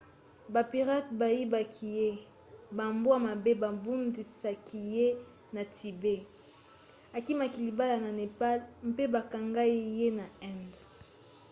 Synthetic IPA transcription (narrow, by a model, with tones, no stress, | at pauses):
ba˨pi˨ʁa˦t̚ba˨ji˦ba˨kʰi˨je˦ | ba˨mbo˦a˨ma˨be˦ba˨bu˦ndi˨sa˨ki˨je˦ | na˨ti˨be˦ | a˨ki˦ma˨ki˨li˨ba˦la˨na˨ne˨pa˦lm˦pe˦ba˨ka˨ŋɡa˦i˦je˦na˨ɛ˦˨nd